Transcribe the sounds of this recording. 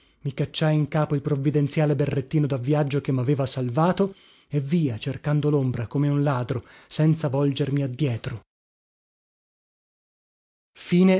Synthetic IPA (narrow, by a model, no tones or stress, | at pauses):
mikat͡ʃːajiŋkaːpoilpɾovːid̪ent̪sjaːleberːet̪ːiːnod̪avːjad͡ʒːok̟emːaveːvasalvaːt̪o | evːiːat͡ʃerkand̪olombɾakomeunlaːd̪ɾosɛnt̪savɔld͡ʒermiad̪ːjɛːt̪ɾo | fiːne